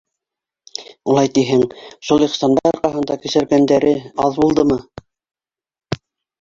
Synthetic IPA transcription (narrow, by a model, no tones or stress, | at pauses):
ulˠɑjt̪iɦɘŋʃulˠiqst̪ɑnbɑjɑɾqɑɦɤ̆nd̪ɑkɵ̆sæɾɡænd̪æɾɘɑðbulˠd̪ɤmɤ